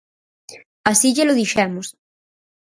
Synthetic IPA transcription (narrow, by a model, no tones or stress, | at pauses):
asiʎeloðiʃɛmʊs